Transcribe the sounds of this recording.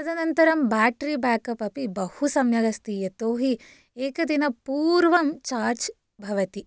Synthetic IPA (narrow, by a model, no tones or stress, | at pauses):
ɐd̪ʱɐnɐnt̪ɐɾɐmbaːʈɾibaːkɐpɐpibɐhusɐmjɐɡɐst̪ijɐt̪oːɦi | eːkɐd̪inɐpuːɾʋɐmt͡ʃaːɾt͡ʃ | bʱɐʋɐt̪i